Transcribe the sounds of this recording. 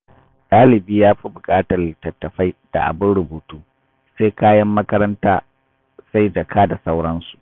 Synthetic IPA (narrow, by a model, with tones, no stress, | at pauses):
ɗʼaː˦lɪ˨biː˦jaː˦ɸi˦bʊ˨kʼaː˦tɐ˨rlɪ˨tɐ˨tːɐ˨ɸa˦jd̥a̰˨ʔa̰˨bʊ˦nɽʊ˨buː˨tuː˦ | seː˦kaː˦jɐ˦mːɐ˦kɐ˦ɾɐ˦ntaː˦ | sa˦jd͡ʒɐ˨kʰaː˦da˨sa˦wɽɐ˦nsu̥˨ʔ